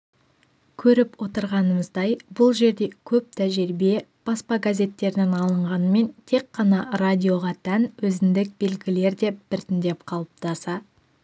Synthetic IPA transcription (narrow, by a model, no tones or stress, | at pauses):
kʲʰɵɾɪpwo̞t̪əɾʁɑnəməzd̪ɑjbʊlˠʒe̞ɾd̪e̞kʲʰɵp̚t̪ʰæʒeɾbe̞b̥ɑspɑɡazʲe̞t̪ːe̞ɾɪnenɑlˠəɴʁɑnəme̞nt̪ʰe̞kːɑnɑradʲio̞ʁɑt̪ʰænwɵzɪnd̪ɪk̚be̞lɡʲɪle̞ɾd̪e̞b̥ɪɾt̪ɪnd̪e̞p̚qʰɑlˠəp̚t̪ɑsɑ